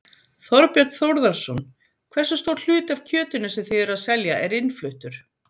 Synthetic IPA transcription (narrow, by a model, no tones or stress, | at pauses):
θɔɾpjœɾt̪θowɾðaɾsɔn | kʰvɛr̥sast̪oːwɾl̥ʏːt̪av̥cʰœːt̪ʏnʏsɛmθiðɛɾaðsɛljaʔɛɾɪnflʏht̪ʏɾ̥